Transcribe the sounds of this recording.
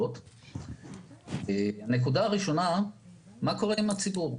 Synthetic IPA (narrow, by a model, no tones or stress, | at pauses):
ot | eane̞kudaaʁiʃo̞na | mako̞ʁeimat͡sibuʁ